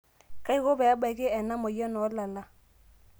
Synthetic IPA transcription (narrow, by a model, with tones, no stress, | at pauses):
ka˦i˦ɣo˦bɛ˨a˦ba˨kɪ˦ɛ˨na˦mɔ˨jɔ˦nɔ˨˦la˨la˦